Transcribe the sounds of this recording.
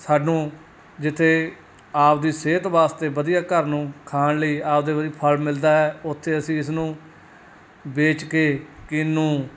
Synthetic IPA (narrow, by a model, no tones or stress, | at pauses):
saːɖnũː | d͡ʒɪt̪ʰːeː | aːpd̪iːseːt̪ʋaːst̪eːbəd̪ijaːkəɾnũːkʰaːnləiːaːp̚d̪eːʋəɾiːpʰəlmɪld̪aːɦɛːʊt̪ʰːeːəsĩːɪsnũː | beːt͡ʃkeːkɪnːũː